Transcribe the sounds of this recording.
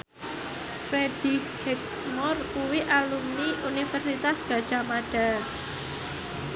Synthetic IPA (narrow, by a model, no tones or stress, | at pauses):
fɾed̥i | hɛk̚ | mɔrkuwiʔalumniʔunifərsit̪asɡ̥a̤d̥ʒ̥a̤madɖ̥a̤